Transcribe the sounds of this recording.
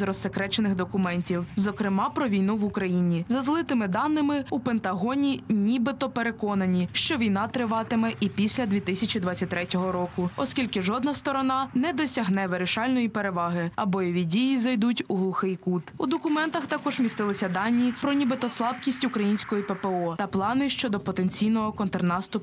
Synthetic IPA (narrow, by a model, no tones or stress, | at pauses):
zɾɔsekɾɛt͡ʃenɪxd̪ɔkʊmɛnʲtʲiwzɔkɾɪmɑpɾɔʋʲijnuʋʊkɾɐjinʲizɐzlˠɪt̪ɪmɪd̪ɑnːɪmɪupent̪ɐɦɔnʲinʲibɪt̪ɔpeɾe̞kɔnɐnʲiʃt͡ʃɔʋʲijn̪ɑt̪ɾɪʋɑt̪ɪmɛʔipʲisʲlʲɐd̪ʲʋʲit̪ɪsʲɐt͡ʃid̪ʋɑtt͡sʲːɐt̚ʲt̪ɾɛtʲɔɦɔɾɔkʊɔskʲilʲkɪʒɔd̪nɐst̪ɔɾɔnɑnɛd̪ɔsʲɐɦnɛʋeɾɪʃɑlʲnɔjipeɾe̞ʋɑɦɪɐbɔjɔʋʲidʲijizɐjd̪utʲuɦlˠʊxɪjkut̪ud̪ɔkʊmɛnt̪ɐxt̪ɐkɔʒmʲist̪ɪlˠɪsʲɐd̪ɑnʲːipɾɔnʲibɪt̪ɔslˠɑbkʲisʲtʲukɾɐjinʲsʲkɔjipepeɔt̪ɐplˠɑnɪʃt͡ʃɔd̪ɔpɔt̪enʲt͡sʲijnɔɦɔkɔnt̪ɛrnɑst̪ʊ